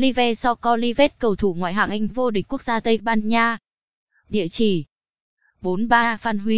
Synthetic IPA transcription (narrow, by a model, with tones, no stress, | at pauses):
li˧vɛ˧sɔ˧kɔ˧li˧ve˦˥t̚kə˨˩wt̪ʰu˧˩ŋwa̰ː˧˨jɦa̰ː˧˩ŋʔa˧jŋ̟vo˧ɗï˨˩ŋ̟ku˦˥ək̚zaː˧t̪ə˧jɓaː˧nɲaː˧ | ɗḭ˧˨ət͡ɕi˧˩ | ɓo˨˦nɓaː˧faː˧nɦi˨˦